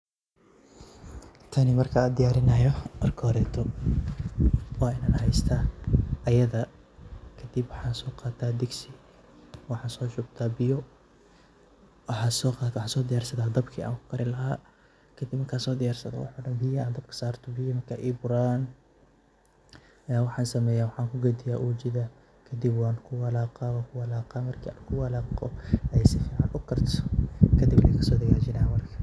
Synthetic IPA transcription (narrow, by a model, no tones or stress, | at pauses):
t̪ʰɐnɪmɐrkʰɐːd̪ɪjaːɾɪnɐjɔʔɐrkʰɔːɾɛːt̪ʰɔ | wɑːɪnaːnhɛjst̪ʰaːɐjɐðɐ | kʰɐd̪ɪbwɑħɑːsɔːqɑːt̪ʰaːd̪ɪɡsɪ | wɑħɑːsɔːt͡ʃʊb̚t̪ʰaːbɪjɔ | ʔɐħɑːsɔːqɑːt̪wɑħaːsɔːd̪ɪjaːrsɐðaːd̪ɐbkʰiːʔa̰ːŋkʰʊ̥kʰɐɾɪlɐha̰ː | kʰɐd̪ibmɐrkʰaːsɔːd̪ɪjaːrsɐðɐ̰wʊ̰ħuːɖɐnbɪjaːd̪ɐbkʰɐ̥saːrt̪ʰɔbɪjɐmɐrkʰaːʔiːbʊɾaːn | ɐjaːwɑħɑːnsɐmɛːjaːwɑħɑːŋkʰʊɡɔd̪ɪjaːʔuːt͡ʃɪðɐ | kʰɐd̪ibwɑːnkʰʊwɑlaːqawaːkʰʊwɐlaːqaːmɐrkʰḭakʰʊwɑlaːqɔɛjsɪfiːʕɑnʊkʰɐrt̪ʰɔ̥kʰɐd̪ibɛkʰɐsɔːd̪ɐɣaːt͡ʃɪnaːmɐrkʰɐ̥